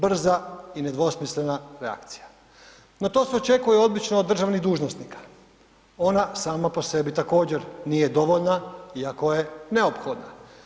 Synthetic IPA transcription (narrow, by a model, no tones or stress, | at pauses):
br̩zaine̞d̪ʋo̞smisle̞naɾea̰kt̪si̥ja | no̞t̪o̞ːseo̞t͡ʃe̞kuje̞o̞d̪bit͡ʃnoːd̪ːr̩ʒaʋniɣd̪uːʒnost̪nikḁ | o̞nasaːmapo̞se̞bit̪ako̞ːd͡ʑe̞ɾnije̞d̪o̞ʋo̞ʎnaiako̞je̞ne̞opxo̞d̪na